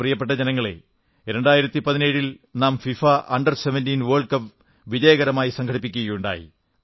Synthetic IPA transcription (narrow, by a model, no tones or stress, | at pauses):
rijɐpːeʈ̬ːɐd͡ʑenɐŋːɐɭḛ | ɾe̞ɳɖaːjiɾɐt̪ːipɐðineːɻil | naːmfifaʔɐɳɖɐrseʋɐndiːnʋeːɭɖkɐp | ʋid͡ʑɐjɐɣɐɾɐmaːjisɐŋkʰɐɽipːikʲːuɣɐjuɳɖa̰ːjḭ